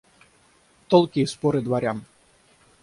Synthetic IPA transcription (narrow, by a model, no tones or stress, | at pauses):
t̪ɔlˠkʲiːspɔɾɨd̪vaɾʲan